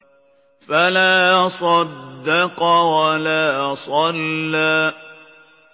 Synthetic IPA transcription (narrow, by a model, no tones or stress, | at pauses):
falaːsˤɑd̪ːɑqɑwalaːsˤɑlːaː